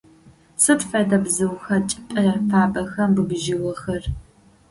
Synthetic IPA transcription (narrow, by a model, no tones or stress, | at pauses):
sɨtfɐdɐbzɨwxɐt͡ʃʼɪ̥pʼɐjafaːbɐxɐmbɨɡʒɪwɐxɐr